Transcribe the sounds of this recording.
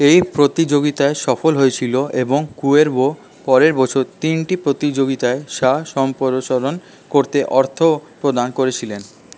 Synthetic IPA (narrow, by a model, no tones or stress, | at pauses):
ejpɾot̪id͡ʑoɡit̪aeʃɔfolɦoet͡ɕʰiloʔeboŋkueɾbo | pɔɾeɾbɔt͡ɕʰoɾt̪inʈipɾot̪id͡ʑoɡit̪aeʃaʃɔmpoɾoʃoɾon | koɾt̪eʔɔɾt̪ʰopɾod̪ankoɾet͡ɕʰilen